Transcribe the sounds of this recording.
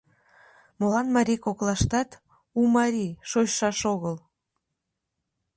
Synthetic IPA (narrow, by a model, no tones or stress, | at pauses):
molɑnmɑɾʲikoklɑʃt̪ɑt̪ | umɑɾʲiʃoɕʃɑʃoɣəl